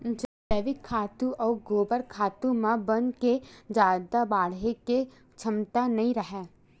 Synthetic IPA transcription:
d͡ʒɐd̪əːʋɪkʰːaːt̪ũʔɔːɡoːbəɾkʰaːt̪ũmãbənked͡ʒaːd̪abaːɽɦeke | t͡ʃʰəmt̪anɐɦĩɾəɦɛː

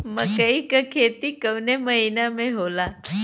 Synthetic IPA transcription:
məkaikəkʰet̪ikəwneməɦinameɦola

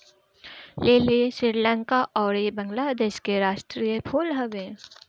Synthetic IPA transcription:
leːliʃiɾlə̃ŋkaʔɔːɾjebə̃ŋɡlaːd̪eːʃkeɾaːʃʈɾiːjəpʰuːlɦɐʋẽ

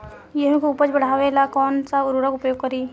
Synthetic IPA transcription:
jeɦũkoʊpət͡ʃbəɽ̤aːʋelakɔːnsaʊɾuɽəkʊpjoːɡ̚kɐɾiː

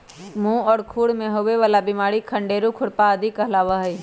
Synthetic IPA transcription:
mũːɔːɾkʰuːɽmẽɦoʋeʋaːlabimaːɽikʰə̃ɳɖeːɾukʰʊɽpaɐd̪ʱikəɦlaːʋaɦi

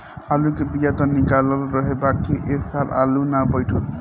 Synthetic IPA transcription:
alukebijat̪ʌnikalʌɾɾʌɦebakʰːiʔeksala̰lunabʌjʈʰol

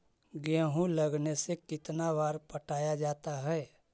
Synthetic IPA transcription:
ɡɛ̃ːɦũləɡnesekɪt̪naʋaːɾpəʈʰaːjad͡ʒaːt̪aɦɛː

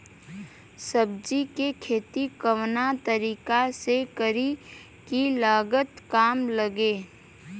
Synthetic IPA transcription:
səbd͡ʒikekʰeːt̪ikəwnat̪əɾiːkasekəɾi | kilaːɡət̪kaːmləɡeː

